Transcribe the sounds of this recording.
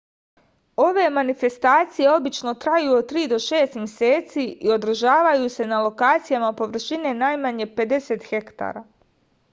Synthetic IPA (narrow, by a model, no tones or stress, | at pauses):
o̞ʋe̞manife̞st̪aːt̪sije̞o̞bit͡ʃno̞t̪ɾajuːot̪ɾiːd̪o̞ʃe̞ːst̪mje̞seːt̪siio̞d̪r̩ʒaːʋajuse̞nalˠo̞kaːt̪sijamapo̞ʋr̩ʃine̞najmaɲe̞pe̞d̪e̞se̞t̪xe̞kt̪a̰ːɾa̰